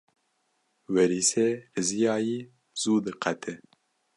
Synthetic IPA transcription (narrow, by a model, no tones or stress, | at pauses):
wɛɾiːseːhɨzijaːjiː | z̥uːd̪ɨqʰɛt̪ʰɛ